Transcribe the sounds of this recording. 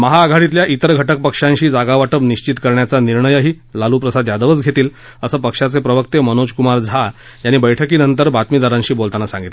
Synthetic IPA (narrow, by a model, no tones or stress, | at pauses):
məɦaːɡʱaɽit̪ljaʔit̪əɾɡʱəʈək̚pəkʂãnɕiːd͡zaɡaʋaʈəpniɕt͡ɕit̪kəɾɳjat͡saniɾɳəjəɦiː | laluːpɾəsad̪jad̪əʋət͡sɡʱet̪iːl | əsəːpəkʂat͡sepɾəʋəkt̪əmənod͡zkumaɾd͡zʱa | janːiːbəjʈʰəkiːnənt̪əɾbat̪mid̪aɾãɲɕiːbolt̪anasãŋɡit̪le